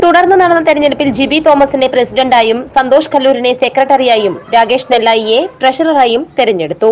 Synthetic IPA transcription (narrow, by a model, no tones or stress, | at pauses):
t̪uɽɐrnːɐnɐɽɐnːɐt̪eɾɐɲːeɽupːild͡ʑibit̪o̞ːmɐsine̞prɐsiɖɐɳɖaːjumsɐnd̪o̞ːʂɐ̥kɐlːuːɾine̞se̞krɐʈːɐrijaːjumɾaːɡeːʂnelːaːjijepreʂɐrɐraːjumt̪eɾɐɲːe̞ɽut̪ːu